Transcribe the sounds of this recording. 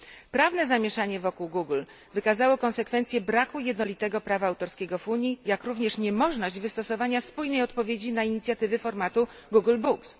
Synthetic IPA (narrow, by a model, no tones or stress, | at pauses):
pɾavnɛzamʲjeʂaɲɛvɔkuwɡuɡl | vɘkazawɔkɔnsɛkfɛnt̪sʲjɛbɾakujɛd̪nɔlʲit̪ɛɡɔpɾavaːwt̪ɔɾskʲɛɡɔfuɲijakɾuvɲɛʂɲɛmɔʐnɔʑd͡ʑvɘst̪ɔsɔvaɲaspujnɛjɔt̪pɔvʲjed͡ʑinaiɲit̪sʲjat̪ɘvɘfɔɾmat̪u | ɡuɡlbuks